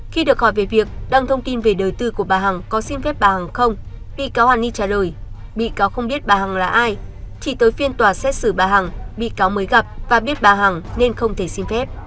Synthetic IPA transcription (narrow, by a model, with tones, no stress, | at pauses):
xi˧ɗɨ˨˩ək̚hɔ˧˩jve˨˩vi˨˩ək̚ɗa˧ŋt̪ʰə˧wŋ͡mt̪i˧nve˨˩ɗəː˨˩jt̪ɨ˧ku˧˩əɓaː˨˩ɦa˨˩ŋkɔ˨˦si˧mfɛ˦˥p̚ɓaː˨˩ha˨˩ŋxə˧wŋ͡mɓḭ˧˨kaː˨˦whaː˨˩nːi˧t͡ɕaː˧˩ləː˨˩jɓḭ˧˨kaː˨˦wxə˧wŋ͡mɓi˦˥ət̚ɓaː˨˩ɦa˨˩ŋlaː˨˩ʔaː˧jt͡ɕi˧˩t̪əː˨˦jfi˧ənt̪waː˧˨˩sɛ˦˥t̚sɨ˧˩ɓaː˨˩ɦa˨˩ŋɓḭ˧˨kaː˨˦wməː˨˦jɣa˨˩p̚vaː˨˩ɓi˦˥ət̚ɓaː˨˩ɦa˨˩ŋne˧nxə˧wŋ͡mt̪ʰe˧˩si˧mfɛ˦˥p̚